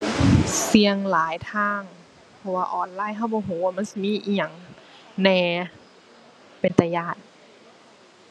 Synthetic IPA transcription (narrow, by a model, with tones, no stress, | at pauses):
si˧əŋlaː˨˦jt̪ʰaː˧˥˩ŋ | pʰɔ˧waː˧ʔɔː˨˩nlaː˧˥˩jɦa˥˩wbɔː˧˦ɦuː˨˦waː˧˩ma˧˥˨si˧miː˧˥˨ʔiː˧˩ɲa˨˩ŋ | nɛː˧˩ | pe˨nt̪a˧˩jaː˧˩t̪̚